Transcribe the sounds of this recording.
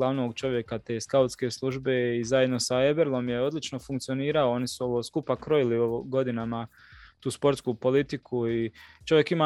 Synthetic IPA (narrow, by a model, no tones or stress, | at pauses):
laʋno̞ːɡt͡ʃo̞ʋje̞kat̪e̞ːskaut̪ske̞ːslˠuʒbe̞izaje̞d̪no̞sae̞beɾlˠo̞mje̞o̞d̪lit͡ʃno̞fuŋkt̪sio̞niːɾao̞o̞nisuo̞ʋoːskupakɾo̞jiliooɡo̞d̪inama | t̪uːspo̞ɾt̪skuːpo̞lit̪ikʰuit͡ʃo̞ʋje̞kimaː